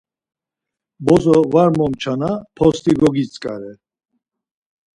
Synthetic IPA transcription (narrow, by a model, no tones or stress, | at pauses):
bɔzɔvaɾmɔmt͡ʃʰanapʰɔst̪ʰʼiɡɔɡit͡sʼkʼa̰ɾɛ